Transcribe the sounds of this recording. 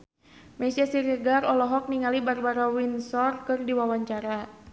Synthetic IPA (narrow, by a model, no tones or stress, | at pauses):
mɛsiasiɾɛɡarɔlɔɦɔk̚niŋalibarbaɾawinsɔrkɨrdiwawaɲt͡ʃaɾa